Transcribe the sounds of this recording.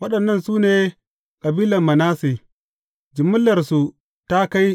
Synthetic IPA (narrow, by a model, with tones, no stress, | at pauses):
wɐ˦ɗɐ˨nːɐ˦˨nsuː˦neː˨ | kʼɐ˨biː˦lɐ˨mːɐ˨naː˦se˨ | d͡ʒɪ˨mːʊ˦lːɐ˨rsu˨ | ta˦ka˦j